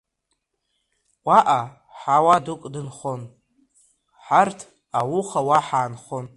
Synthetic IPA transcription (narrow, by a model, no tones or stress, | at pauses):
wʷaʔa | ħawadukʼdɨnχon | ħartʰ | awuχawaħaːnχon